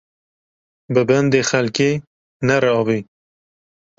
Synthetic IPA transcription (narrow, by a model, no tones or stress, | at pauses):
bɨbɛnd̪eːxɛlkeː | nɛɾɛɑːvi